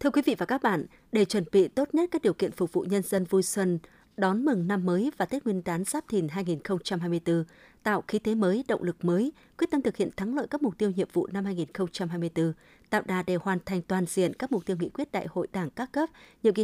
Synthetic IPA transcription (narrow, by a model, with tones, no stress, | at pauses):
t̪ʰɨ˧əkwi˨˦vḭ˧˨vaː˨˩kaː˦˥k̚ɓa̰ː˧˨n | ɗe˧˨˩t͡ɕwə˨˧˩nɓḭ˧˨t̪o˦˥t̚ɲə˦˥t̚ka˦˥k̚ɗi˨˩əwkḭ˧˨ənfʊ˨˩k͡p̚vṵ˧˨ɲə˧nzə˧nvu˧jswə˧n | ɗɔ˨˦nmɨ˨˩ŋna˧mːəː˨˦jvaː˨˩t̪ʰi˦˥t̚wi˧ənɗ̪aː˨˦nz̥aː˦˥p̚t̪ʰi˨˩nɦaː˧jŋi˨˩nxə˧wŋ͡mt͡ɕa˧mɦaː˧jmɨ˧əjt̪ɨ˧ | t̪a̰ː˧˨wxi˨˦t̪e˨˦məː˨˦jɗə̰˧˨wŋ͡mlɨ˨˩k̚məː˨˦jkwt̚t̪ə˧mt̪ɨ˨˩k̚hḭ˧˨ənt̪ʰa˨˦ŋlə̰ː˧˨jkaː˦˥k̚mʊ˨˩k͡p̚t̪i˧əwɲḭ˧˨əmvṵ˧˨na˧mhaː˧jŋi˨˩nxə˧wŋ͡mt͡ɕa˧mhɦaː˧jmɨ˧əjt̪ɨ˧ | t̪a̰ː˧˨wɗaː˨˩ɗe˨˩hwaː˨˩nt̪ʰa˨jŋ̟t̪waː˨˩nzḭ˧˨ənkaː˦˥k̚mʊ˨˩k͡p̚t̪i˧əwŋḭ˧˥kwi˦˥ət̚ɗa̰ː˧˨jho̰˧˨jɗaː˧˩ŋkaː˦˥kːə˦˥p̚ɲḭ˧˨əŋki˨˧